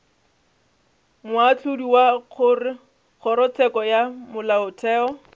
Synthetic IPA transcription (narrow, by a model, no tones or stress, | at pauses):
mʊat͡ɬʰʊdiwak͡xʰʊrɪ | k͡xʰʊɾɔt͡sʰɛkɔjamʊlaʊtʰɛːɔ